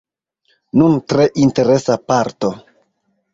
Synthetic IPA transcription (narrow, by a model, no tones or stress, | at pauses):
nuntɾe̞ʔinte̞ɾe̞sapaɾto̞